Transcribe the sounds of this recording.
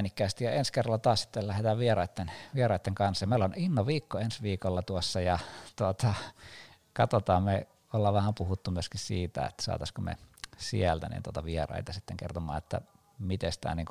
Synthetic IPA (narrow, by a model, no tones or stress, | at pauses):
nikːæːst̪ijɑenskerːɑlːɑt̪ɑːssi̥t̪ːellæhet̪æːʋʋierɑit̪ːenʋierɑˑit̪ːeŋkɑnsɑjɑmeˑiloninːoʋiːkːoensʋiːkolːɑt̪uosːɑjɑt̪uot̪ʰɑ | kɑt̪ot̪ɑːmme | olːɑʋʋæhæmpuhut̪ːumyøskissiːt̪æ̰ḛt̪ːæ̥sɑ̰ːt̪ɑskomḛsḭælt̪ænḭnt̪uot̪ɑʋierɑ̰it̪ɑsit̪ːeŋkḛrt̪omɑ̰ːet̪ːæ̰ | mit̪est̪æ̰ːniːŋku